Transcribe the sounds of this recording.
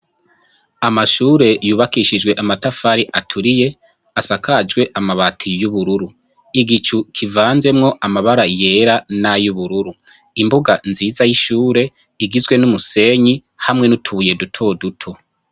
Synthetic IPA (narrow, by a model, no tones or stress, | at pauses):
amaʃuːɾe̞juːβakiʃid͡ʒɡwe̞ʔamatafaɾiʔatʰuɾije̞ | asakʰad͡ʒɡwe̞ʔamaβatʰijuβuɾuɾu | iɡit͡ʃukʰivaːnze̞mŋo̞ʔamaβaɾaje̞ɾanajuβuɾuɾu | imbuɡanziːzajiʃuːɾe̞ | iɡizɡwe̞numuse̞ɲi | hamŋe̞nutʰuuje̞dutʰo̞ːdutʰo̞